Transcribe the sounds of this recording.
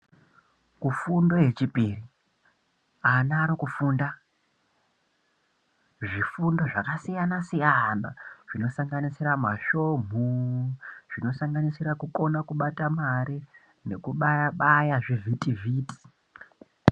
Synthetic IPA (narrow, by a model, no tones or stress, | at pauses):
kufundo̞je̞t͡ʃipiri | anaɾokufuːnda | ʐifundo̞ʐakasijanasijanaʐ̥ino̞saŋɡanisiɾamaʃom̤u | ʐ̥ino̞saŋɡanisiɾakuko̞nakuɓatamaɾi | ne̞kuɓajaɓajaʐivʱitivʱiːti̥